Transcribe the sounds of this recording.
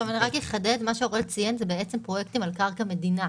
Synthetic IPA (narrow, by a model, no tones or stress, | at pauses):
omaniʁakjeχaded̪maʃeoʁelt͡sijenzebeet͡sempʁojekt̪imalkaʁkame̞dina